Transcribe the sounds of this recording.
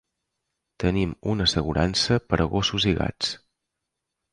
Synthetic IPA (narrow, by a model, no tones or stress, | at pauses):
t̪ənimunəsəɣuɾʔansəpəɾʔəɣosuziɣa̰t͡s